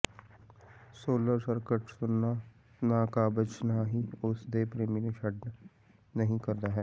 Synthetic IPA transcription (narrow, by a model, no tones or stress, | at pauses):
soːləɾsəɾkəʈsʊnːa | naːkabət͡ʃnaɦiʊsd̪eːpɾeːmineʃɐɽ | nɐɦĩkɐɾd̪aɦɛː